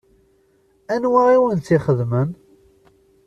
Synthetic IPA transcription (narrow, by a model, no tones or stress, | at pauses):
ænwaiwənt͡s̪ːiχəðmən